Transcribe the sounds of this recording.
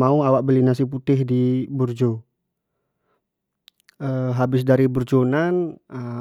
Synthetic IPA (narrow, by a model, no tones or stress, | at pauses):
mauawaʔ̚bəlinas̬ip̬ut̪ɪɦdiburd͡ʒo | əɦabɪsdaɾiburd͡ʒonanə